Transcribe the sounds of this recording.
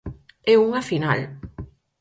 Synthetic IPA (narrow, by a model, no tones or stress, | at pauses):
ɛuŋafina̰l